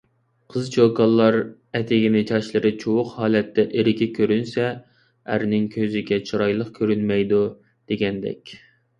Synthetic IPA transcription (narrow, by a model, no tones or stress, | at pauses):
qʰəzt͡ʃʰokɑlˠːɑɾ | ɛt̪ʰɪɡʲinɪt͡ʃʰɑʃlˠɨɾɨt͡ʃʰowʊqhɑːlɛt̪ʰːɛʔeɾɪkʲɪkʲʰøɾynsɛ | æ̰ɾnɪŋkʲʰøzɪɡʲɛt͡ʃʰoɾɑjlˠəqkʲʰøɾynmɛjd̪u | d̪̥eɡʲɛnd̪ɛ̰kʲ